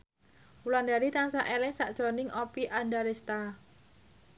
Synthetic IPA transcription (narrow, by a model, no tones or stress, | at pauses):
uland̪aɾit̪aŋsaʔelɛŋsaʔd̥ʒ̥ɾonɪŋɔpiʔandaɾest̪a